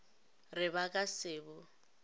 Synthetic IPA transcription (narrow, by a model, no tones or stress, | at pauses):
rɪbakʼasɪːbʊ